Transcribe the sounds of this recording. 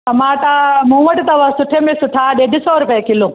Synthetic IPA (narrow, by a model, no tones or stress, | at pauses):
t̪ɐmaːʈamũʋɐʈt̪ɐʋɐsʊʈʰemesʊʈʰaːɗeɖisoːɾʊpjakilũ